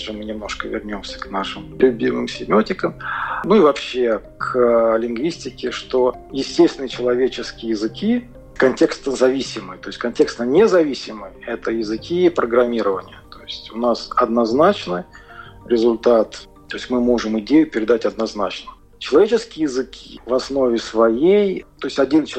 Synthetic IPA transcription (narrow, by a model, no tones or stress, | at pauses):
ʐɨmɨnʲɪmno̞ʂkəvʲɪ̰rnʲo̞msʲə̥knaʂɨmlʲʊbʲimɨmsʲɪmʲɪotʲɪkəmnuivɐpɕːe̞kʰlʲɪnɡvʲisʲtʲɪkʲɪʂt̪ojɪsʲtʲesʲt̪vʲɪnəjət͡ɕɪlˠɐvʲet͡ɕɪskʲɪjəjɪzɨkʲi | kɐnʲtʲe̞kst̪əzɐvʲisʲɪmɨjt̪o̞ɪsʲtʲkɐnʲtʲe̞kst̪ənʲezɐvʲisʲɪmɨjɛt̪əjɪzɨkʲipɾʔəɡɾɐmʲiɾəvənʲɪjət̪o̞jɪsʲtʲʊnasɐd̪nɐznat͡ɕnɨɾʲɪzʊlʲt̪at̪ | t̪o̞jɪsʲtʲmɨmo̞ʐɨmɪdʲejʊpʲɪɾʲɪd̪atʲɐd̪nɐznat͡ɕnə | t͡ɕɪlˠɐvʲet͡ɕɪskʲɪjjɪzɨkʲʰi̥̰vɐsno̞vʲɪsvɐjejt̪o̞ɪsʲtʲɐdʲelʲnət͡ɕ